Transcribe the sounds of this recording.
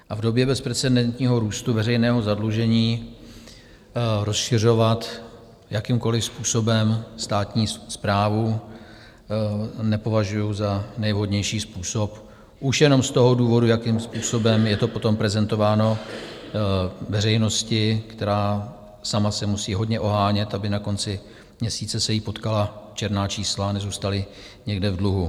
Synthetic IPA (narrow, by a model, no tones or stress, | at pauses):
ʔavdo̞bjɛbɛspɾɛt͡sɛdɛnt̪ɲiːɦo̞ɾuːst̪uvɛɾɛjnɛːɦo̞zadluʒɛɲiː | ɾo̞sʃɪr̝o̞vat̪ | jakimko̞lɪfspuːso̞bɛmst̪aːt̪ɲiːspɾaːvu | nɛpo̞vaʒujuzanɛjvɦo̞dɲɛjʃiːspuːso̞p | ʔuʃjɛno̞mst̪o̞ɦoduːvo̞dujakɪmspuːso̞bɛmjɛt̪o̞po̞t̪o̞mpɾɛzɛnt̪o̞vaːno̞ | vɛrɛjno̞scɪkt̪ɛɾaː | samasɛmusiːɦo̞dɲɛʔo̞ɦaːɲɛt̪ʔabɪnako̞nt͡sɪ | mɲɛsiːt͡sɛsɛjipo̞t̪kalat͡ʃɛɾnaːt͡ʃiːslanɛzuːst̪alɪ | ɲɛɡdɛvdluɦu